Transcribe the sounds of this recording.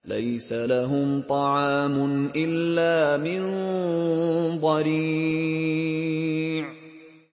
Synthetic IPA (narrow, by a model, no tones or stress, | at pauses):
la̰jsalaɦʊmt̪ˤɑʕɑːmʊnʔɪlːaːmɪn | d̪ˤɑɾiː | ʕ